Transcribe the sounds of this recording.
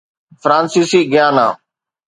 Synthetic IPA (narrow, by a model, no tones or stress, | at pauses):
fɾãːnsiːsiːɡjaːna̰ː